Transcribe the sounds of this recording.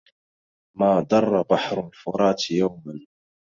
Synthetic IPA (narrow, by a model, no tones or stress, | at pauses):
maːd̪ˤɑrˤːɑbaħɾʊlfʊɾˤɑːt̪jawman